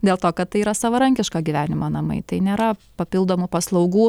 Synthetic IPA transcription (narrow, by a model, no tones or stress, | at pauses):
d̪ʲeːlˠt̪oːkɐt̪̚t̪ːɐɪiːɾɐsɐʋɐɾɐŋʲkʲɪʃkɑːɡʲiʋʲæːnʲɪmoːnɐmɐ̰ɪt̪ɐɪnʲeːɾɐpɐpʲɪlˠd̪oːmupɐslˠɐʊɡuː